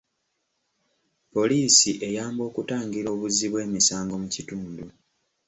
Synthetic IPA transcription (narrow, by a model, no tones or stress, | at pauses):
po̞liːsiʔe̞jaːmbo̞ːkutaːŋɡiɾo̞ːβuziβwe̞ːmisaːŋɡo̞mucituːndu